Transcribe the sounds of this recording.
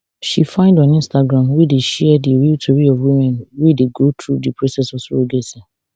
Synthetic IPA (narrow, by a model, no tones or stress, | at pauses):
ʃifãɪ̃ndɔ̃nĩnstaɡɹãmwideʃɛdiɹiltʰoɹiɔvwimɛ̃nwideɡotʰɹudipʰɹosɛsɔsooɡesɛ̃